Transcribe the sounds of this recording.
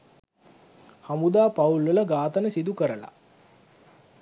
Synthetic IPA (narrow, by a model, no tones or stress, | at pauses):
hamud̪aːpaulʋələɡaːt̪ənəsid̪ukəɾəla̰